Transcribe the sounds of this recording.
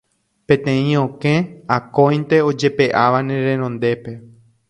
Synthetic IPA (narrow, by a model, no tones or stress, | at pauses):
pẽt̪ẽĩõkẽakõj̃nt̪e̞od͡ʒe̞pe̞ʔaʋanẽɾẽnõnd̪e̞pe̞